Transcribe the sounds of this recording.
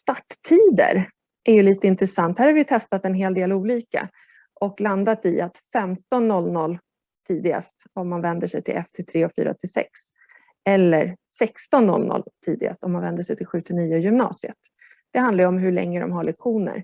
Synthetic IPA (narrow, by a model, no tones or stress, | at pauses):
st̪aʈːt̪ʰiːd̪ə̰ɾ | ʔæɾjɵliːt̪əɪnt̪ɾɛsant̪hæːɾhavɪjt̪ʰɛst̪at̪ɛnɦeːld̪eːluːliːka̰ | ʔɔkland̪at̪ɪat̪fɛmt̪ɔnːɔlːnɔlː | t̪ʰiːd̪ɪɡa̰st̪ɔmːanvɛnd̪əʂɛjt̪ʰɪlʔɛft̪ʰɪt̪ʰɾeːɔfy̰ːɾa̰ɔ̰t̪ʰːɪsɛ̰ks | ɛlːəɾsɛkst̪ɔnːɔ̰lːnɔ̰lt̪ʰḭːd̪ɪ̰ɡa̰st̪ɔmːanvɛnd̪əʂɛjt̪ʰɪlɧʉ̟ːt̪ɪniːʊjɵmnɑ̰ːsɪə̰t̪ | d̪̥ɛhand̪aɾjəɔmɦɵɭɛ̰ŋːəd̪ɔ̰mɦaɭɛkɧuːnə̰ɾ